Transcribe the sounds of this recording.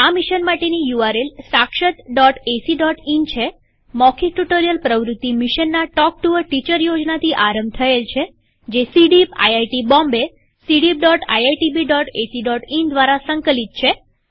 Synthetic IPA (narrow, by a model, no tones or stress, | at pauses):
amiʃənmaʈenijuaɾelsãkʃət̪ɖɔʈesiɖɔʈint͡ʃʰe | mɔkʰiʈuʈoɾijəlpɾəʋɾut̪ːimiʃənːaʈɔk̚ʈuʋəʈit͡ʃəɾjod͡ʒnat̪ʰiʔaɾə̃mb̚t̪ʰəelt͡ʃʰe | d͡ʒesiɖipa̰jajʈibɔ̃mbe | siɖip̚ɖɔʈa̰jajʈibiɖɔʈesiɖɔʈind̪ʋaɾasəŋkəlit̪̚t͡ʃʰe